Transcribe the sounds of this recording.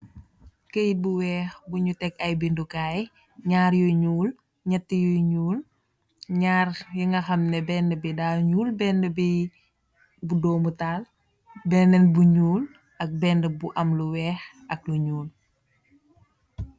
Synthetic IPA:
kəjit̚buwɛːxbuɲutɛkɐjbindukaːj | ɲaːɾjuɲuːl | ɲɛtːijujɲuːl | ɲaːrjiŋɡɐxɐmnɛbɛndəbidaːɲuːlbɛndəbi | budɔːmutaːl | bɛndɛnbuɲuːl | ʔɐk̚bɛndəbuʔɐmluwɛːx | ɐk̚luɲuːl

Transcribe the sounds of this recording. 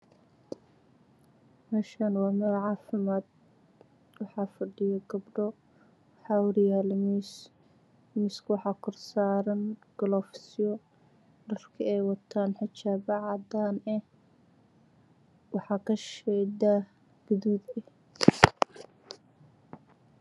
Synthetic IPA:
mɛːʃanwɑːmɛɾʕɑːfɪmaːd̪̚ | wɑħɑːfɐɖɪjɐɡɐbɖɔ | wɑħɑːwʊɾɪjaːlɐmis | mɪskʰwɑħɑːkʰʊrsaːɾɐnɡ̥ɔlɔːfsɪjɔ | ɖɐrkʰɐɛjwɑt̪ʰaːnħɪt͡ʃaːbɑʕɑd̪aːnɛh | wɑħɑːkʰɐʃɛd̪a | ɡ̥ʊðud̪ɛ

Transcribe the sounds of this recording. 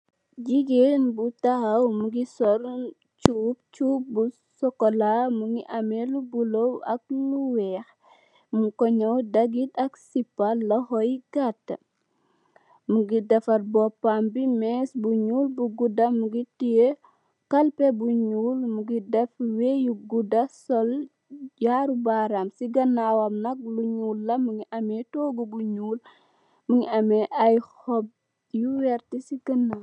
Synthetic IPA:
d͡ʒiɡenbutahɐwmuɡisɔɾ | t͡ʃuːp̚t͡ʃuːp̚bu | sɔkɔlamuŋɡiʔɐmɛlubulowɐ̰k̚luwɛːx | mukɔɲɐwdɐɡitɐksipːɐlɔhɔjɡatː | muɡidɛfɐɾbɔpːambimɛsbuɲuːlbuɡudɐmuɡitije | kɐlpebuɲuːlmuɡidɛfwejuɡudɐsɔl | jaːɾubaɾamsiɡɐnːawɐmnɐk̚luɲulːɐmuŋiʔɐmɛtoɡubuɲuːl | muŋiɐmɛʔajhɔb̚ | juwɛɾtisiɡɐnːa

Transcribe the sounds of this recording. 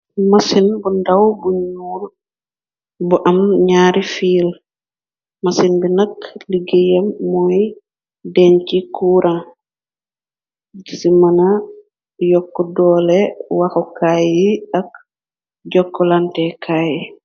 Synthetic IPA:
masinbundawbuɲuːl | buʔɐmɲaːɾifiːl | masinbinɐkliɡejɐmːɔj | dɛɲcikuːɾʔa | isimɐna | jɔkːɔdɔːlɛwaxɔkajiak̚ | ɟɔkːɔlantɛkʰaːji

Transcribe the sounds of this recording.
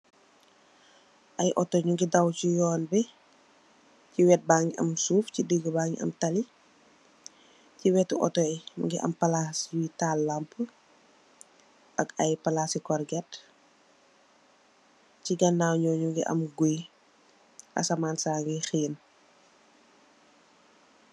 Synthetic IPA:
ʔɐjʔɔtɔɲuɡidɐwcujɔːnbɛ | ciwɛt̚baːŋiʔɐ̰msuːfcidəɡəbaːŋḭʔɐ̰mtɐli | ciwɛtːuʔɔ̰tɔjɲṵŋɡiʔɐ̰mpɐlasjitaːlːɐmpə | ʔɐkɐjpɐlasikɔrɡɛt | ciɡɐnːaːwɲɔːɲuŋɡiʔɐ̰mɡuj | ʔɐ̰sɐmaːnsaːŋɡixiːn

